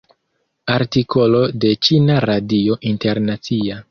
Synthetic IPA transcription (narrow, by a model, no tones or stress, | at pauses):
aɾtiko̞lo̞de̞t͡ʃinaɾadio̞ʔinte̞ɾnat͡sia